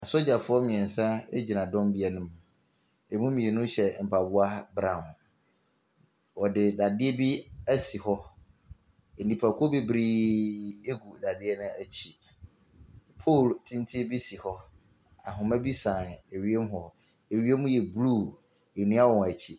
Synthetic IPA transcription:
a˨so˦d͡ʑa˨fʊ˦ɔ˦mĩ˨ɛ̃˨n˨sã˦ḛ˦d͡ʑi˨nã˨dɔ̃˦mbi˦ɛ˨nʊ̃˦m˨ | e˨mũ˦mĩ˨e˨nʊ̃˦ɕɛ˨m̩˨pʰa˨bʊ˦a˦bɾã˨n | wɔ˨dɪ˨da˨dɪ˦ɛ˦bi˦æ˦si˨hɔ˦ | e˨nĩ˨pʰa˨kʷʰɔ˦be˨bɾi˦ | e˦ɡu˨da˨dɪ˦ɛ˦nʊ̃˦æ˨t͡ɕʰi˨ | pʰo˦˨ltʰĩ˦n˦tʰi˦bi˦si˨hɔ˦ | a˨ɦʊ̃˨mɛ̃˦bi˦sã˨ne˨ɥi˦e˦m˦ɦɔ˨ | e˨ɥi˦e˦mũ˦jɛ˨bluː˦˨ | e˨nĩ˦a˦wɔ̃˨ŋ˨æ˨t͡ɕʰi˨

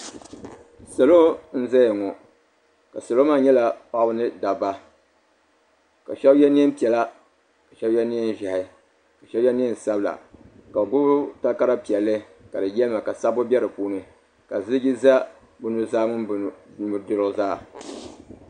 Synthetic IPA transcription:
sa˨lo˦n̩˦za˦jŋɔ˨ | ka˨sa˨lo˦ma˦ɲɛ˦la˨pa˦bɨ˦nɨ˦da˨ba˦ | ka˨ʃɛ˦bjɛ˦ni˦ɛ˦m˦pi˨ɛ˨la˦ | ka˨ʃɛ˦bjɛ˦ni˦ɛ˦n˦ʒa˨hɪ˨˦ | ka˨ʃɛ˦bɛ˦ni˦n˨sa˦bɨ˦la̰˨ka˨ɡʊ˦bʊ˦ta˦lka˦ɾa˦pi˨ɛ˨lːɨ˦ | ka˨dɨ˨jɛ˦lɨ˦ma˨ka˨sa˦bʊ˦bʲɛ˦ɾɨ˨puː˦nɨ˨ | ka˨zɨ˦ɡʲi˦za˦ | bʊ˦nu˦zaː˦ŋʊ˦n˨mu˨ɾdɨ˦ɾɨ˦˨zaː˦˨

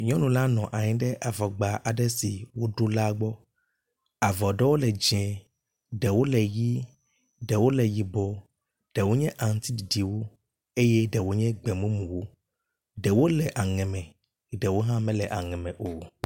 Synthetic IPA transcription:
ɲɔ̃˦nũ˨la˦nɔ̃˨ʔa˨ɲĩ˦ɖɛ˦ʔa˨vɔ˨ɡ͡ba˨ʔa˨ɖɛ˦si˨wo˦ɖo˦la˦ɡ͡bɔ˦ | a˨vɔ˨ɖɛ˦wo˦lɛ˨d͡ʒɛ̃˨ | ɖɛ˨wo˦lɛ˨ji˦ | ɖɛ˨wo˦lɛ˨ji˨bɔ˨˦ | ɖ̥ɛ˨wo˦ɲɛ̃˦ʔã˨ŋ˦t̪i˦di˨di˨wo˦ | e˦jɛ˦ɖɛ˨wo˦ɲɛ̃˦ɡ͡bɛ˨mũ˦mũ˨wo˦ | ɖɛ˨wo˦lɛ˨ʔa˨ŋɛ̃˨mɛ̃˨ | ɖɛ˨wo˦ɦã˦mɛ̃˦lɛ˨ʔa˨ŋɛ̃˨mɛ̃˨ʔo˨

